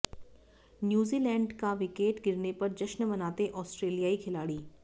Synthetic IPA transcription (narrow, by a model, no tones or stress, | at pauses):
njuːziːlɛ̃ːɳɖkaʋɪkeːʈɡɪɾnepɐɾd͡ʒɐʃnmɐnaːt̪eʔɔːsʈɾeːlijaːikʰɪlaːɽiː